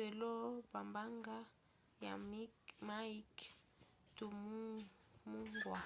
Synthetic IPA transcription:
ɛ˨lɔ˦ba˨mba˦ŋɡa˦ | ja̰˨˦ma˦i˦k | tu˨mu˦ | mu˦ŋɡwa˨

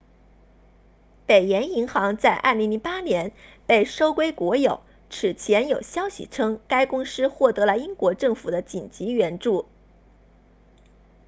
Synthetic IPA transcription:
pe˨˩ɪjɛ˧˥ni˧˥ŋxɑ˧˥ŋt͡sa˥˧ɪʔa̰˥˩li˧˥ŋli˧˥npa˥njɛ˧˥npe˥˩ɪʂo˥ʊkwe˥ɪkwɔ˧˥jo˨˩˦ʊ | ʈ͡ʂʰɻ̩˨˩t͡ɕʰjɛ˧˥njo˨˩ʊɕjɑ˥ʊɕḭ˨ʈ͡ʂʰɤ˥ŋka˥ɪkʊ˥ŋʂɻ̩˥xwɔ˥˩t̪ɤ˧˥lə˧i˥ŋkwɔ˧˥ʈ͡ʂɤ˥˩ŋfu˨˩d̪ə˦t͡ɕi˨˩nt͡ɕi˧˥ɥɛ˧˥nʈ͡ʂu˥˩

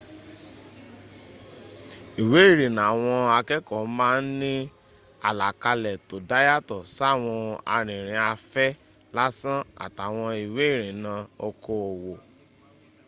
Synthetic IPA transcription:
i˨we˨˦i˦˨ɾ̃ĩ˨nã˨w̃ɔ̃˧a˧kɛ˦kɔ˨mãː˦n̩˦nĩ˦ | a˨la˨ka˧lɛ˨to˨da˦ja˦tɔ˨sa˦˨w̃ɔ̃˧a̰˧ɾ̃ĩ˨ɾ̃ĩ˨˧a˧fɛ˦ | la˦sã˦a̰˨ta˨w̃ɔ̃˧i˨we˨˦˨ɾ̃ĩ˨˦nã˧o˧ko˧o˨wo˨

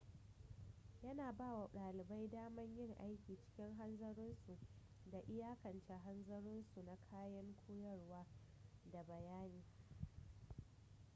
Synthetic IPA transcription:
jɐ˦naː˨baː˦˨wa˨ɗaː˨lɪ˨ba˦jdaː˦mɐ˦ɲjɪ˦˨ŋʔa˦jkʲiː˨t͡ʃɪ̥˦kʲɪ˦ŋɦa˦nzɐ˦ɾʊ˦nsu˨ʔ | da˨ʔɪ˦jaː˦kɐ˨nt͡ʃɛ˦ɦa˦nzɐ˦ɾʊ˦nsu˨na˨kʰaː˦jɐ˦ŋkʷʰoː˦jɐ˦rwaː˦ | da˨bɐ˨jaː˦niː˨˦

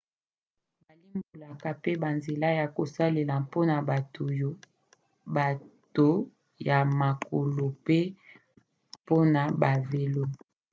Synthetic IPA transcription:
ba˨li˦mbo˨la˨ka˨pe˦ba˨nze˨la˦ja˨ko˨sa˦le˨la˨po˦na˨ba˨to˨jo˦ | ba˨to˨ | ja˨ma˨ko˨lo˨pe˦ | po˦na˨ba˨ve˨lo˦

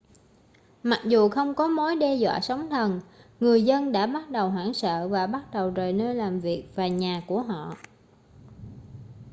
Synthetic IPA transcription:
ma˨˩k̚zu˨˩xə˧wŋ͡mkɔ˨˦mo˨˦jɗɛ˧zwa̰ː˧˨sa˨˦wŋ͡mt̪ʰə˨˩nŋɨ˨˩əjzə˧nɗa̰ː˧˥ɓa˦˥t̚ɗə˨˩wɦwaː˧˩ŋsə̰ː˧˨vaː˨˩ɓa˦˥t̚ɗə˨˩wzəː˨˩jnəː˧jlaː˨˩mvi˨˩ək̚vaː˨˩ɲaː˨˩ku˧˩əɦɔ̰˧˨

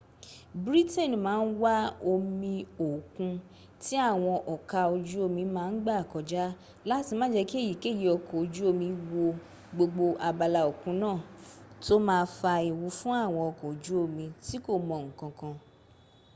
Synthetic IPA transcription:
bɾi˦tɛ˦˨n˨mãː˨˦n̩˦wa˦o˧mĩ˧o˨kũ˧ | ti˦a˦˨w̃ɔ̃˧ʔɔ˨ka˧o˧d͡ʒu˦o˦˧mĩ˧mãː˦˧n̩˦ɡ͡ba˦a˨kɔ˨d͡ʒa˦ | la˦ti˧mã˦d͡ʒɛ˧ki˦e˦˨ji˨ke˦˨ji˨ɔ˨kɔ˨o˨˧d͡ʒu˦o˧mĩ˧wo˧ | ɡ͡bo˧ɡ͡bo˧ʔa˧ba˧la˧o˨kũ˨˦nãː˦˨to˦mãː˧fa˧i˨wu˨˧˦fũ˦a˦˨w̃ɔ̃˧ɔ˨kɔ̃˨d͡ʒu˦o˧˨mĩ˧ti˦ko˦˨mɔ̃˧˨ŋ̩˨kã˧kã˧

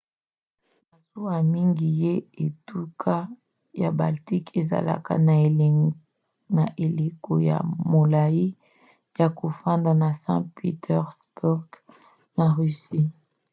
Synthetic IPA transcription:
ba˨su˦a˨mi˦ŋɡi˨je˦e˨tu˦kʰa˦ | ja˨ba˨lti˦kʰe˨za̰˨la̰˦ka̰˦na˨ | na˨ʔe˨le˨ko̰˨ja̰˨mo˨la˨ji˦ | ja˨ko˨fa˦nda˨na˨sã̰˦pḭ˦tʰɛ˦ʁsbu˦ʁɡ̥ | na˨ʁy˨si˦

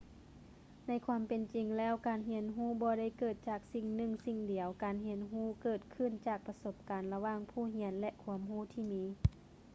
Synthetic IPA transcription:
na˧˥jkʰwaː˧˥mpe˨nt͡ɕi˨ŋlɛː˦˥˩wkaː˨˩nɦi˧˥ənɦuː˧˥˩bɔː˧ɾa˥˩˨jkɤː˨˩t̪̚t͡ɕaː˨˩k̚si˧˩ŋnɯ˧˩ŋsi˧˩ŋdi˨˩əwkaː˨nɦe˧˥nɦuː˥˩kɤː˨˩t̪̚kʰɯ˧˥˨nt͡ɕaː˨˩k̚pa˧so˧˥p̚kaː˨nla˧waː˧˩˨ŋpʰuː˧˩ɦi˧˥ənlɛ˧ʔkʰu˧˦əmɦuː˧˥˩t̪ʰiː˧˩miː˧˥

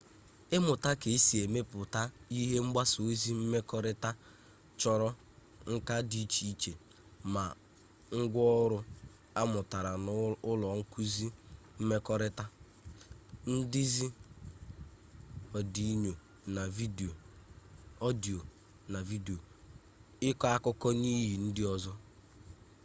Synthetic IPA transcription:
ɪ˦mʊ˨ta˦ke˨i˦si˨e˨me˦pʊ˨ta˦i˦ɦe˦ŋ͡m̩˦ɡ͡ba˦so˨e˦zi˦m̩˦me˦kɔ˦ɾɪ˦ta˦ | t͡ʃɔ˨ɾɔ˦ | ŋ̩˦ka˦di˨˦t͡ʃi˦t͡ʃe˨ | ma˨ | ŋ̩˦ɡʷɔ˦ɾʊ˦ | a˦mʊ˨ta˨ɾa˨n˦ʊ˦lɔ˨ŋ̩˦ku˦zi˦ | m̩˦me˦kɔ˦ɾɪ˦ta˦ | n̩˦dɪ˦zi˦ | ɔ˨di˨˦ɲo˨ | na˨vi˦de˨o˨ | ɔ˦di˨o˨ | na˨vi˦de˨o˨ | ɪ˦kɔ˦a˦kʊ˦kɔ˦ni˦ɦi˨n̩˦dɪ˦ɔ˦zɔ˦

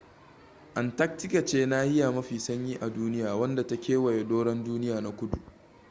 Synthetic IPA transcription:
ʔa˨nta˦k̚tɪ˦ka˨t͡ʃeː˦naː˦hɪ˦ja˨mɐ˦ɸiː˨sɐ˦ɲjiː˦ʔa˨duː˦nɪ˦jaː˨wɐ˦nda˨ta˦kʲeː˦wɐ˨je˨doː˦ɽɐ˦nduː˦nɪ˦jaː˨na˨kʷʊ˦du˨ʔ

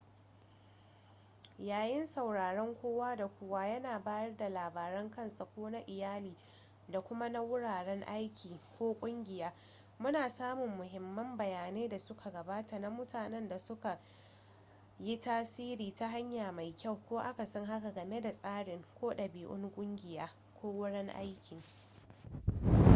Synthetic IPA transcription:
jaː˨jɪ˦nsa˨wɽaː˨ɽɔ˦ŋkʷoː˦waː˦da˨kʷʊ˦waː˦jɐ˦naː˨baː˦jɐ˦rda˨laː˨baː˨ɾɐ˦ŋkɐ˦nsa˨kʷoː˦na˦ʔɪ˨jaː˦liː˨ | da˨kʷʊ˦ma˦na˦wʊ˦ɽaː˨ɽɛ˦ŋʔa˦jkʲʰiː˨kʷoː˦kʷʼʊ˦ŋɡʲɪ˨jaː˦ | mʊ˦naː˨saː˦mʊ˨mːʊ˨ɦɪ˨mːɐ˦mbɐ˨jaː˨neː˦da˨sʊ˦kʰa˨ɡɐ˨baː˦ta˨na˦mʊ˦taː˨nɛ˦nda˨sʊ˦ka˨ | ji˦taː˦siː˦ɾiː˨ta˦ɦa˦ɲjaː˨ma˨jkʲa˦˨wkʷoː˦ʔa˦ka˨sɔ˦ŋɦa˦ka˨ɡɐ˨me˦da˨sʼaː˦ɽɪ˨ŋkʷoː˦ɗɐ˨biː˨ʔʊ̰˦ŋkʷʼʊ˦ŋɡʲɪ˨jaː˦ | kʷoː˦wʊ˦ɽɛ˦ŋʔa̰˦jkʲɪ˨ŋ

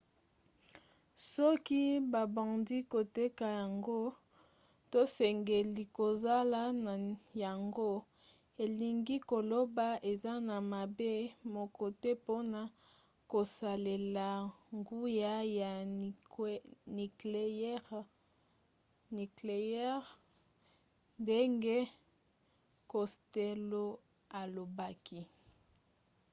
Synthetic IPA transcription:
sɔ˦ki˦ba˨bã˨ndi˦ko˨te˦ka˨ja˨ŋɡo˦ | to˦sɛ˨ŋɡe˨li˨ko˨za˦la˦na˨ja˨ŋɡo˦ | e˨li˨ŋɡi˦ko˨lo˦ba˦ʔe˨za˦na˨ma˨be˦mo˨ko˨te˦po˦na˦ | ko˨sa˨le˨la˨ŋɡu˦ja˦ja˨ | ni˨klʁ | ni˨kle˨ɛ˦ʁ | nde˦ŋɡe˦ | ko˨ste˦lo˦ | a˨lo˨ba˦ki˦

